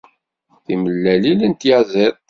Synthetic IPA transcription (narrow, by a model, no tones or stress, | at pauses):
θiməlːælilənt̪jaðæð